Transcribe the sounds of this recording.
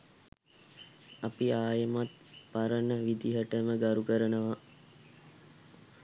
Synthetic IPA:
apiaːjəmat̪paɾənəʋid̪iɦəʈəməɡaɾukəɾənəʋa

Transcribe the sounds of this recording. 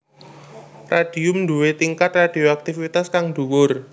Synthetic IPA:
raɖ̥i̤ʊmɳd̪uwet̪iŋkat̪rad̥ioak̚t̪ifit̪askaŋɖ̥uwʊr

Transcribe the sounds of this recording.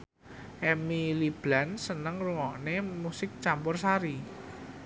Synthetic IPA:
ʔɛmilib̥lansənəŋruŋɔʔnemusɪk̚t͡ʃampʊrsaɾi

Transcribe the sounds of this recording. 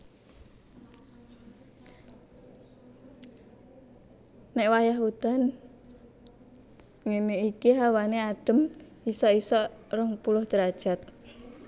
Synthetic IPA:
nɛʔwajaɦut̪an | ŋemeikiɦawaneaɖ̥ə̤m | isɔisɔrəŋpulʊhd̪əɾad̥ʒ̥a̤t̪̚

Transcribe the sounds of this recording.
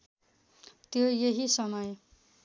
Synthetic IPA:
t̪jojeɦisʌmʌj

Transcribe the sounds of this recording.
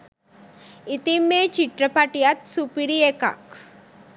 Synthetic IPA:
it̪imːet͡ʃiʈɾɐpaʈijat̪supiɾieka̰k

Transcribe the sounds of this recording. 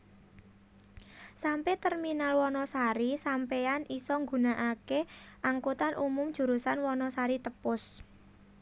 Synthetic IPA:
sampɛt̪ərminalwɔnɔsaɾisampeanisɔŋɡṳnaʔakeʔaŋkut̪anʔumʊmd̥ʒ̥ṳɾusanwɔnɔsaɾit̪əpʊs

